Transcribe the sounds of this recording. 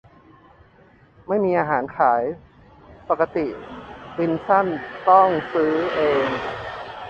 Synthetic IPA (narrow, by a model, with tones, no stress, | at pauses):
ma˥˩jmiː˧ʔaː˧ɦaː˩˦nkʰaː˩˦j | pa˨˩ka˧t̪i˨˩ʔwi˧nsa˥˩nt̪ɔ˥˩ŋsɯː˦˥ʔeː˧ŋ